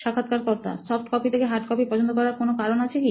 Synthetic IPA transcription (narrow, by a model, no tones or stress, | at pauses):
ʃakʰːat̪kaɾkɔɾt̪a̰sɔfʈkɔpit̪ʰekeɦaʈkɔpipɔd͡ʑʰont̪okɔɾaɾkonokaɾonat͡ɕʰeki